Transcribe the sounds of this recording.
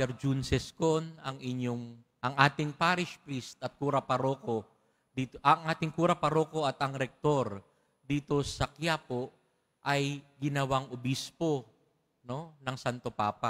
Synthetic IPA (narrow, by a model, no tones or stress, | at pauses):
ɛɾd͡ʒunsɛskonɐŋɪɲjoŋ | ʔɐŋʔaːt̪ɪŋpaːɾɪʃpɾist̪ɐt̪̚kuːɾɐpɐɾoːko̞ | d̪iːt̪ʔɐŋʔaːt̪ɪŋkuːɾɐpɐɾoːko̞ɐt̪ɐŋɾɛk̚t̪o̞ɾ | d̪iːt̪o̞sɐkjaːpo̞ | ʔɐjɡɪnɐwaŋobispo̞ | no̞nɐŋsant̪o̞paːpa